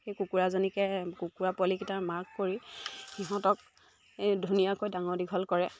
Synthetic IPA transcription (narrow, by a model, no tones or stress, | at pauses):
xejkukuɹazɔnikɛkukuɹapɔlikitamaɹkkoɹixiɦɔ̃tɔk̚ | edʱunijakojdaŋɔɹdiɡʱɔlkɔɹɛ